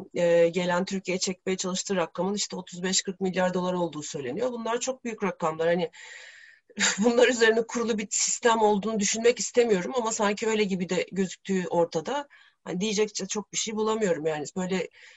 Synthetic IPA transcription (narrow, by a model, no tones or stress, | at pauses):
ɛːɟe̞lʲænt̪ʰyɾcijejɛt͡ʃʰɛc̚me̞jɛt͡ʃʰalˠɯʃt̪ʰɯːɾakːamɯniʃt̪ʰɛo̞t̪ʰuzbɛʃkʰɯɾk̚milʲːjaɾd̪o̞lˠaɾo̞lˠd̪uːsø̞jlʲe̞nijo̞bunlˠaɾt͡ʃʰo̞k̚byjycɾakːamlˠaɾhanɪ | bunlˠaɾyze̞ɾinɛkʰuɾulˠubisist̪æmo̞lˠd̪uːnud̪yʃynmɛcist̪ʰe̞mijo̞ɾumamasaɲcʰiø̞jlʲɛɟibid̪ɛɟø̞zyc̚t̪ʰyːʔo̞ɾt̪ʰad̪a | ha̰nid̪ijed͡ʒɛc̚t͡ʃʰɛt͡ʃʰo̞k̚biʃejbulˠamɯjo̞ɾumjaːnib̥ø̞jlʲɛ